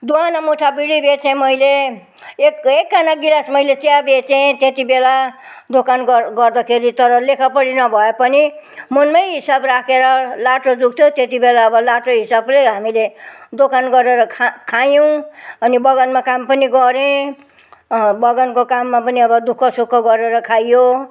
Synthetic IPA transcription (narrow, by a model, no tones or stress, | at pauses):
d̪uanamoʈʰabiɽibet͡sẽmʌile | ekekːanaɡilasmʌjlet͡sjabet͡sẽt̪et̪ibela | d̪okanɡʌɡʌrd̪akʰeɾit̪ʌɾʌlekʰʌpʌɽinʌbʱʌepʌnimʌnmʌjɦisabrakʰeɾʌlaʈod͡zuɡ̚t̪ʰot̪et̪ibelaːbʌlaʈoɦisableɦamiled̪okanɡʌɾeɾʌkʰkʰajõʌnibʌɡʌnmakampʌniɡʌɾẽ | bʌɡʌnkokamːapʌniʌbʌd̪ukʰʌsukʰːʌɡʌɾeɾʌkʰajjo